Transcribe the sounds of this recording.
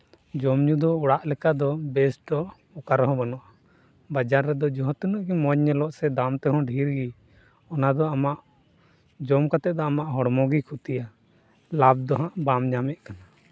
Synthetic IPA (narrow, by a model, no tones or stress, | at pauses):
d͡ʒɔmɲud̪ɔɔɽaʔlɛkad̪ɔbɛsʈɖɔ | ɔkaɾɦɔ̃banɔʔa | bad͡ʒaɾːɛd̪ɔd͡ʒɔɦɔ̃t̪inuʔkimɔɲɲɛlɔʔsɛd̪amt̪ɛɦɔ̃ɖʱiɾɡi | ɔnad̪ɔamaʔ | d͡ʒɔmkat̪ɛʔd̪ɔamaʔɦɔɽmɔɡikʰut̪ija | lab̚d̪ɔɦãʔbamɲamɛʔ̪kana